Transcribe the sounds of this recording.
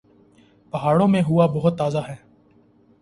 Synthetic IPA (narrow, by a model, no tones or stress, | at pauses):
pɐɦaːɽõːmẽɦʊabɐɦʊt̪ːaːzaɦɛː